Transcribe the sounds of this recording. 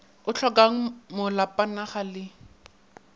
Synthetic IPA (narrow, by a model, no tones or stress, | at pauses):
ʊt͡ɬʰɔkaŋ̩mʊlapʼanaχalɪ